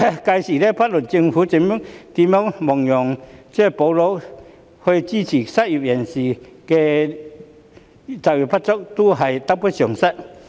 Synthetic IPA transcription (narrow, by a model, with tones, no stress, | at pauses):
ka˧jsiː˨˩le˦˥pʰa˦˥t̚lu˨˩nt͡ɕi˧ŋfuː˨˦t͡ɕi˧˥mu˥t̪i˧˦mɔ˦˥ŋmɔ˨˩ŋjɔ˨˩ŋt͡sɛ˥˩po˨˧wlo˧˥ | ho˧jt͡ɕi˥˩t͡ɕʰiː˨˩sa˦˥t̚i˨˩p̚jɛ˨˩nsi˨˩ke˧ | t͡sa˨˩k̚ji˨˩pʰa˦˥t̚t͡sɔ˥k̚t̪u˦˥ɦɐ˨jt̪a˥pu˥sɔ˨˩ŋsa˥t̚